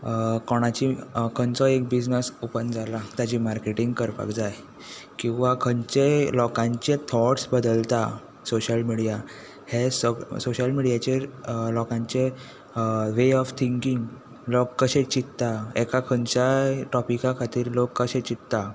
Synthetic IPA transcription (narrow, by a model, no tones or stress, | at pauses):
kɔɽ̃at͡ɕikʰənt͡sɔek̚bid͡znəsupənd͡zalat̪jad͡ʑimaɾkeʈiŋɡkəɾpa̰kd͡zaj | kĩw̃ʋakʰəɲt͡ɕelɔkãɲt͡ɕẽt̪ʰɔʈsbəd̪əlt̪a | soɕəlmiɽija | hessoɕəlmiɽijat͡ɕelɔkãɲt͡ɕe | ʋeɔft̪ʰiŋkiŋɡ | lokːəɕẽt͡ɕit̪t̪aɛkakʰəɲt͡ɕaʈɔpikãkʰat̪iːɾlokːəɕẽt͡ɕit̪t̪a